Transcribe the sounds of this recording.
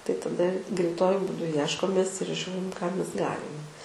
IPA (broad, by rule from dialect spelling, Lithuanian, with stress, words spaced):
tɐɪ tɐˈdɐ ɡrʲɛɪˈtuɔjʊ buːˈdʊ ˈjiɛʃkoːmʲeːs ɪr ˈʒʲuːrʲɪm kɑː ˈmʲɛs ˈɡɑːlʲɪm